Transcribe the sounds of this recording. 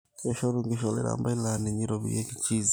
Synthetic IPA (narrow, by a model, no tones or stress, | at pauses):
keʃoɾuŋɡiʃolḛɾa̰ːmbailaniɲiɾoβḭjeki̥ciz